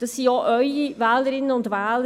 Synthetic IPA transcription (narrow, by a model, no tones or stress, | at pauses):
d̥ɑsːiːjoːʔœʏivɛːləɾɪnːənʊndvæːlə